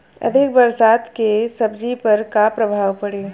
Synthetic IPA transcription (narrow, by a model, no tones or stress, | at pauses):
ɐ̰d̪ʱɪk̚bɐɾsaːt̪kesɐbd͡ʒipɐɾkapɾɐbʱaːʋpɐɽeː